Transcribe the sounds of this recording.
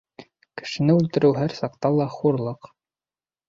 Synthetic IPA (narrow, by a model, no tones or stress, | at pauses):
kɘ̥̆ʃɘ̆nɘʉlt̪ɘ̆ɾʔɘwɦæɾsɑqt̪ɑlˠɑχuɾlˠɤq